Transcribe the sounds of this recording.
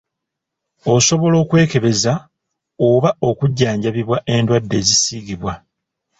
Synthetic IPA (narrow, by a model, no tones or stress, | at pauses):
o̞so̞βo̞lo̞ːkwe̞ːke̞βe̞za | oβao̞kuɟːaːɲɟaβiβwaʔe̞ndwadːe̞ːzisiːɡiβwa